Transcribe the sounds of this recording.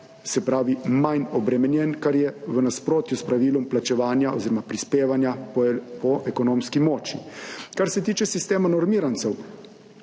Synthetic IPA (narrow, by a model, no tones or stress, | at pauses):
sɛpɾaːʋimajnɔbɾɛmɛnjɛnkaɾjɛʋənaspɾoːt̪juspɾaʋiːlɔmplat͡ʃɛʋaːnjao̰ziɾɔmapɾispeːʋanjapɔʔɛkɔnoːmskimɔːt͡ʃikaɾsɛt̪iːt͡ʃɛsist̪eːmanɔɾmiːɾant̪sɛw